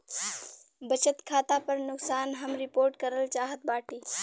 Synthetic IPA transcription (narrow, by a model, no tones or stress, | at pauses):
bət͡ʃət̪kʰaːt̪apəɾnʊksaːnɦɐmɾɪpoːɾʈkəɾəlt͡ʃaːɦət̪̚baːʈiː